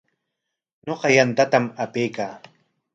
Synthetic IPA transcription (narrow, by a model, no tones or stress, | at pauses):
ɲoqɑjant̪at̪amapejkaː